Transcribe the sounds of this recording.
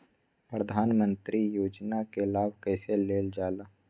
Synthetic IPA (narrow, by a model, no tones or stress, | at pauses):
pɾəd̪ʱaːnmə̃nt̪ɾijoːd͡ʒnakelaːbʱkɛːseleːld͡ʒaːlaː